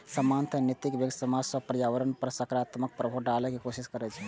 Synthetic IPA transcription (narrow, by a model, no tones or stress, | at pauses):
səmant̪ʰənit̪ikbjəksəmad͡ʒsəpɾjaʋəɾənpəɾsəkɾat̪mək̚pɾəbʱoɖalɛkekosiskəɾɛt͡ʃʰɛ